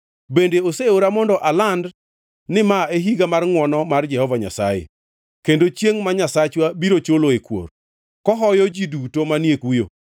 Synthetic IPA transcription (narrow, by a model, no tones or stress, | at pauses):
bendeoseoɾamɔndɔʔaland | nɪmaeɦiɡamarŋwɔnɔmard͡ʒɛhɔvaɲa̰sa̰jḛ | kendot͡ʃjeŋmaɲasat͡ʃwabiɾot͡ʃoloekwo̰r | kɔɦɔjɔd͡ʒidutomanjekujo